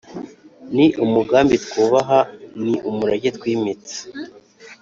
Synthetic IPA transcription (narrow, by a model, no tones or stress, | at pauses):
niʔumuɡaːmbit̪kuːβaɦaniʔumuɾaɟet̪wiːmit͡sḁ